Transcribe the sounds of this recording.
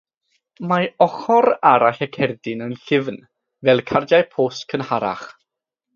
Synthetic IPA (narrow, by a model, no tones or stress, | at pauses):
maɔχɔɾaɾaɬɛkʰɛrdɪnənɬɪvn | vɛlˠkʰardajpʰoːskʰənhaɾa̰χ